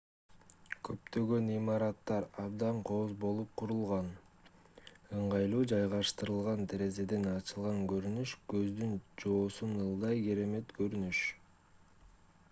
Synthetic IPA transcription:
kʰø̞pt̪ø̞ɡø̞nimɑɾɑt̪ːɑɾɑbd̪ɑɴqʰo̞zbo̞lˠup̚qʰuɾulˠʁɑn | ɯɴʁɑjlˠuːd͡ʒɑjʁɑʃt̪ɯɾɯlˠʁɑnt̪ʰe̞ɾe̞ze̞d̪e̞nɑt͡ʃɯlˠʁɑŋkø̞ɾynyʃkø̞zd̪ynd͡ʒo̞ːsunɯlˠd̪ɑjke̞ɾe̞me̞t̪kø̞ɾynyʃ

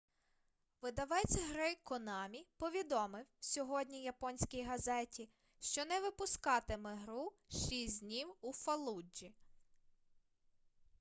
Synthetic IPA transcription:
ʋɪd̪ɐʋɛt͡sʲɦɾɪkɔnɑmʲipɔʋʲid̪ɔmɪwsʲɔɦɔdʲnʲijɐpɔnʲsʲkʲijɦɐzɛtʲi | ʃt͡ʃɔnɛʋɪpʊskɑt̪ɪmeɦɾuʃisʲdʲnʲiwufɐlˠud͡ʒi

